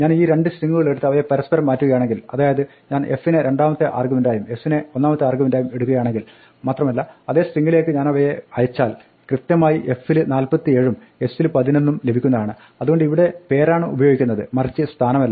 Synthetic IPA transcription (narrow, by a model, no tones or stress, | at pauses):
ɲaːniːɾe̞ɳɖɨsriŋːɡːuɣɐɭe̞ɽut̪ːɨɐʋɐjepɐɾɐspɐɾɐmːaːtːuɣɐjaːɳe̞ŋɡilɐðaːjɐðɨ | ɲaːne̞fːineɾe̞ɳɖaːmɐt̪ːɨʔa̰ːrɡumindaːjume̞fːineo̞nːaːmɐt̪ːɨaːrɡumindaːjume̞ɽukːuɣɐjaːɳeŋɡil | maːt̪rɐmɐlːɐɐðe̞ːsriŋːɡiɭile̞ːkːɨɲaːnɐʋɐjeɐjɐt͡ɕːaːl | krɨt̪jɐmaːjiʔe̞fːilɨnaːlpɐt̪ːie̞ːɻum | e̞sːilpɐðine̞nːumle̞bʱikʲːunːɐðaːɳɨ | ɐðuɣo̞ɳɖɨiʋiɽe̞pe̞ːraːɳɨubɐjoːɡikʲːunːɐðɨ̰mɐrit͡ɕːɨst̪ʰaːnɐmɐlːɐ